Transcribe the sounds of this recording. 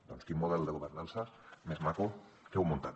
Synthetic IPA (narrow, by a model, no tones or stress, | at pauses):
d̪ɔnskimːoðɛld̪eɣoβeɾnansamezmaku | kewmont̪at̪